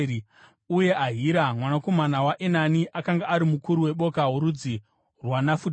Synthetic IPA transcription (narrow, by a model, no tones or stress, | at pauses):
uje̞ʔaɦiɾamwanako̞manawaʔenaniʔakaŋɡaːɾimukuɾuwe̞ɓo̞kaɦuɾud͡zi | rwanafut